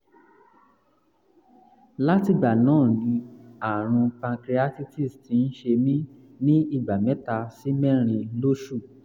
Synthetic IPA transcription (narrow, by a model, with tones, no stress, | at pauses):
la˦ti˧˨ɡ͡ba˨nãː˦˨nĩ˨˧a˨ɾ̃ũ˧kã˧kɾi˧a˦ti˦ti˦˨sti˧˦n̩˦ʃe˧mĩ˦ | nĩ˦i˦˨ɡ͡ba˨mɛ˨˦ta˧si˦mɛ̃˦ɾ̃ĩ˧lo˦ʃu˦˨